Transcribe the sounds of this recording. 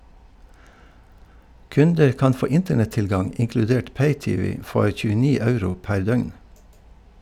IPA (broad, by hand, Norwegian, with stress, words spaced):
ˈkʉndəɾ ˈkɑn ˈfoː ˈɪntəɳɛtˌtɪlɡɑŋ ɪŋklʉˈdeːʈ ˈpeɪˌtiːˌʋiː ˈfɔɾ çʉːəˈniː ˈɑʉɾʊ ˈpæɾ ˈdœʏŋ